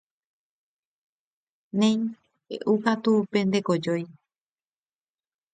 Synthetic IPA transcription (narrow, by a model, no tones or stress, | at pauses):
nẽj̃ | ḛʔukat̪upe̞nd̪e̞ko̞d͡ʒo̞j